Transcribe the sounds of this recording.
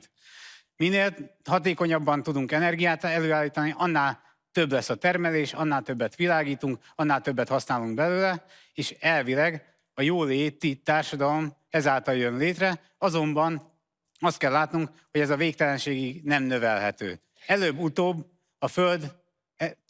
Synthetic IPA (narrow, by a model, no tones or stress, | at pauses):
t̪ | mineːlɦɒt̪eːko̞ɲɒbːɒnt̪ud̪uŋkɛnɛrɡijaːt̪ɛløːaːlːiːt̪ɒniʔɒnːaːl | t̪ø̞blɛsːɒt̪ɛrmɛleːʃɒnːaːlt̪øbːɛt̪ʋilaːɡiːt̪uŋk | ɒnːaːlt̪øbːɛt̪hɒsnaːluŋɡ̚bɛløːlɛ | eːʃɛlvilɛɡ | ɒjoːleːt̪it̪aːrʃɒd̪ɒlo̞m | ɛzaːlt̪ɒljønleːt̪rɛ | ɒzo̞mbɒn | ɒst̪̚kɛlːaːt̪nuŋk | ho̞ɟɛzɒveːk̚t̪ɛlɛnʃeːɡiɡnɛmnø̞vɛlɦɛt̪ø̰ː | ɛløːbːut̪oːbː | ɒføld̪